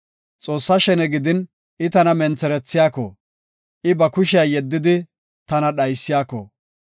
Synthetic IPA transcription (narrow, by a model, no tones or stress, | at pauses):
t͡sʼo̞ːsːɐʃɛnɛɡɪd̪ɪn | ʔɪt̪ɐnɐmɛnt͡sɛɾɛt͡sːɪjaːkɔ̰ | ʔɪbɐkʊʃɪjɐjɛd̪ːɪd̪ɪ | t̪ɐnɐɗɐjsːɪjaːkɔ̰